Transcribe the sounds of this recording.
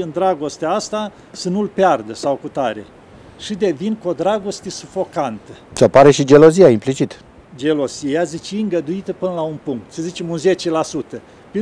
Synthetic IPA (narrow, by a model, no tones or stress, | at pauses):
ɨnd̪ɾaɡo̞st̪eaast̪a | sənulpeard̪əsawkut̪aɾe̞̰ | ʃid̪e̞vinkod̪ɾaɡo̞st̪esufo̞kant̪ət͡ʃapaɾe̞ʃid͡ʒe̞lozijaimplit͡ʃit̪ | d͡ʒe̞lo̞zijazit͡ʃeɨŋɡəd̪uit̪əpɨnəlaunpuŋk̚t̪səzit͡ʃe̞munze̞t͡ʃe̞lasut̪ə | pe